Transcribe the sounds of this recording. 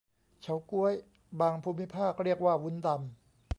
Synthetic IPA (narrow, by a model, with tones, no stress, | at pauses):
t͡ɕʰa˦wku˦˥əj | baː˧ŋpʰuː˧mi˦˥pʰaː˥˩k̚ɾi˥˩ək̚waː˥˩wu˨˦˥nd̪a˧m